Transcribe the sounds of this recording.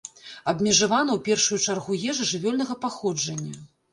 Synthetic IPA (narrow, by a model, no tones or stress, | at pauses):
ɐbmʲɛʐavanɐwpʲɛrʂujut͡ʂarɣujɛʐɐʐɨvʲɔlʲnɐɣɐpaxɔd͡ʐɐnʲːɐ